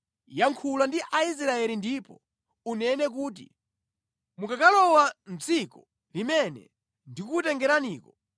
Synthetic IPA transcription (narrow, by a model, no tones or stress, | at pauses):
jaŋkʰulandiʔais̬ɾaɛlindipɔ | unɛnɛk̬uːt̬ḭ | mukakalɔwant͡sikɔ | limɛnɛ̰ | ndikutɛŋɡɛɾaniːkɔ